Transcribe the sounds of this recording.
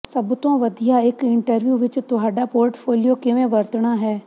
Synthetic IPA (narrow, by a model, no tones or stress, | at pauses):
səbt̪õːʋəd̪ijaːɪkɪɳʈəɾʋjuːʋɪt͡ʃt̪ʊɦaːɖaːpoːɾʈpʰoːlijoːkɪʋẽːʋəɾt̪ɳaːɦɛː